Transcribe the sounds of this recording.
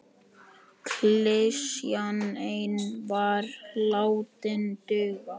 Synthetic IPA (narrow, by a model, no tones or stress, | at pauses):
kʰlesjanejnvaɾlaːwt̪ɪnt̪ʏːɣa